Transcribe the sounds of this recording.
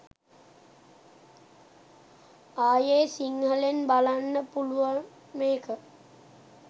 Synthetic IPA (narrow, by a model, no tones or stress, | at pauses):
aːjeːsiŋɦəlenbalanːəpuluʋa | meːkə